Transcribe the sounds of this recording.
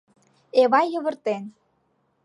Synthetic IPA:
eβɑjːɤ̆βə̆rt̪en

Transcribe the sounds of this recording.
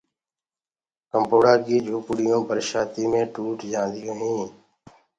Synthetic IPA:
kəmpoːɽaːkiːd͡ʒʱuːpʊɽɪjõːpəɾʃaːt̪iːmẽːʈuːʈd͡ʒãːnd̪ɪjõːɦĩː

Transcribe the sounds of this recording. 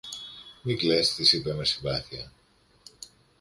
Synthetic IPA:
miklest̪isipe̞mesiɱvɐθiɐ

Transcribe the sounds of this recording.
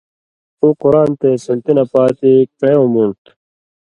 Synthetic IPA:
ukuɾaːnt̪eːsɐnt̪inɐpaːt̪ik̚pejoːmuɳt̪

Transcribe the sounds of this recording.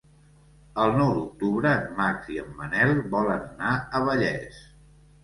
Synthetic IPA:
əlˠnɔwd̪uk̚t̪uβɾəːmːaksiəmːənɛlˠbɔlənnaəβəʎɛ̰s

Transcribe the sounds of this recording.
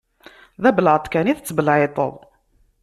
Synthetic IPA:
ðæbəlʕət̪ˤkæniθət͡sːbəlʕet̪ˤə̰ðˤ

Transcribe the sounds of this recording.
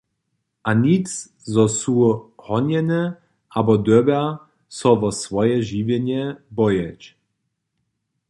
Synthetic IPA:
ʔanit͡s | zɔsuhɔnjɛnɛ | ʔabɔd̪øbɛ | sɔvɔsvɔjɛʒivjɛɲɛbɔjɛt͡ɕ

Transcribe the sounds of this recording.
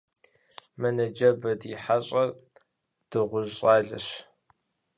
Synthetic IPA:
mɐnɐd͡ʒɐbɐdiħaɕʼɐ | d̥ɨʁʷʊʑɕʼaːɮɨ̰ɕ

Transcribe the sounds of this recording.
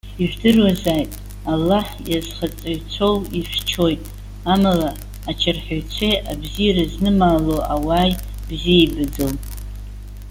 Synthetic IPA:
iʒᶣdɨrwazaːjtʼ | alːaħjazχat͡sʼaɥt͡sʷʰo̞wiʃʷᶣt͡ʃʰo̞jtʼ | amalaː | t͡ʃʰarħᶣaɥt͡sʷʰejʔabzijaɾaznɨmaːloʔawaːj | b̥zijejbɨd͡zɨl

